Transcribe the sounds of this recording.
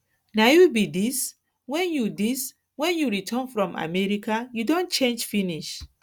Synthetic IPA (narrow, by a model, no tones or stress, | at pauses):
naubidis | wɛ̃njudis | wɛ̃njuɹitʰɔ̃nfɹɔ̃mʔa̰mɛɹikajudõnt͡ʃẽnd͡ʒfiniʃ